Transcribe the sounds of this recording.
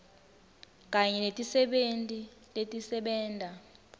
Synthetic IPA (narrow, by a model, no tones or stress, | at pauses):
k̬ʼaɲɛnetʼisɛɓentʼi | letʼisɛɓɛːntʼa